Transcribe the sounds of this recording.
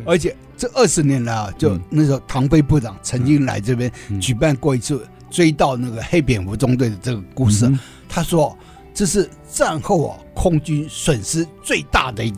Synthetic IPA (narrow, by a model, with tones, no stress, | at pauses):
ə˞˧˥t͡ɕʰjɛ˨˩˦ | ʈ͡ʂɤ˥˧ʔə˥˩ʂɻ̩˥˩njɛ˧˥nla˧˥ɪɐ˨t͡ɕjo˥˩ʊna˥˩ʂ̩˧˥t̪ʰɑ˧˥ŋfe˥ɪpu˥˩ʈ͡ʂɑ˨˩˦ŋt͡sʰə˧˥ŋt͡ɕi˥ŋla̰˧˥ɪʈ͡ʂɤ˥˩pjɛ˥nt͡ɕy˨˩pa˥˧nkwɔ˥˩i˧˥t͡sʰɹ̩˥˩ | t͡swe˥ɪt̪ɑ˥˧ʊna˥˩ɡə˩xe˥ɪpjɛ˨˩nfu˧˥ʈ͡ʂʊ˥ŋt̪we˥˩ɪd̪ə˩ʈ͡ʂɤ˥˩ɡə˩ku˥˧ʂɻ̩˥˩ | t̪ʰa˥ʂwɔ˥ | ʈ͡ʂɤ˥˧ʂɻ̩˥˩ | t͡sa˥˧nxo˥˩ʊɐ̰˩kʰʊ˥ŋt͡ɕy˥nswə˨˩nʂɻ̩˥t͡swe˥˧ɪt̪a̰˥˩d̪ə˩i˧˥˧